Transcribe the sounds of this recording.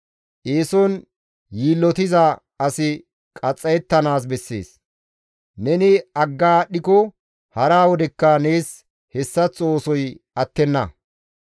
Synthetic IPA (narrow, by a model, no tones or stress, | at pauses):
ʔeːsɔn | jiːlːɔt̪ɪzɐ | ɐsɪ | kʼɐt͡sʼːɐjɛt̪ːɐnaːs̬bɛsːe̞̰ːs | nɛnɪɐɡːaːɗɪkɔ | hɐɾaːwɔd̪ɛkːɐneːs | hɛsːɐt͡sʼo̞ːsɔjɐt̪ːɛnːɐ̰